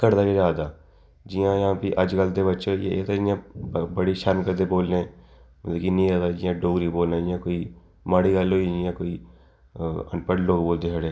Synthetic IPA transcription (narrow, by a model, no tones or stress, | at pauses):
kɐɾd̪aked͡ʒaːd̪aː | d͡ʒijãːjɦãːpiʔɐd͡ʒɡəld̪ebətːʃõjeet̪od͡ʒɪjãbəɽiʃəɾmkəɾd̪eboːlneɛ | mɐt̪ləbkinĩaːd̪aːd͡ʒɪjãːɖoːɡɾiboːlnad͡ʒɪjãkoːi | maːɽiɡəloːid͡ʒɪjãkoːi | ə̰npəʈloːɡboːld̪eɦɐɽeː